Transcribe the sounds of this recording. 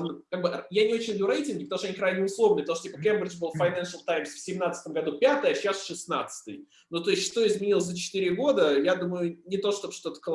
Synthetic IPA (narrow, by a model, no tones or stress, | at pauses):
kaɡ̚bɨjanʲɪo̞t͡ɕɪnʲd̪lʲʊɾejtʲɪnɡʲɪpət̪ɐmuʂt̪ɐnʲikɾajnʲɪʊslˠo̞vnɨpt̪ɐuʂt̪t̪ʲipəkembɾʲɪd͡ʑbɨlˠfɐjnanʂəlˠt̪ajmsfsʲɪmnat̪st̪əmɡɐd̪upʲat̪əjaɕasfʂɨsnat̪sɨ̥t̪ɨ̰j | nut̪o̞ɪsʲt̪ʲʂt̪o̞ɪzmʲɪnʲilˠəsʲzət͡ɕɪ̥t̪iɾʲɪɡo̞d̪əjad̪uməjʊnʲɪt̪o̞ʂt̪o̞pʂt̪o̞t̪ə̥kəlˠ